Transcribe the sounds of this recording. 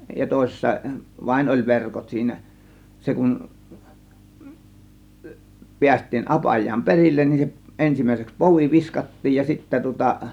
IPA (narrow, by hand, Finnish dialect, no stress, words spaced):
jɑ toˑe̝sesːɑ ʋɑin olʲ ʋerkot siːnæ se kun piæstˑiːn ʔɑpɑjˑɑːm perilːen nin se ʔensimˑæˑiseks poʋi ʋiskɑtːiːj jɑ sitːæ tŭŏtɑ